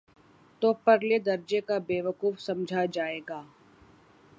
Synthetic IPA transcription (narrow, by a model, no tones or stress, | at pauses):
t̪oːpɐɾled̪ɐɾd͡ʒekabeːʋəkuːfsɐ̃md͡ʒʱad͡ʒaːeːɡaː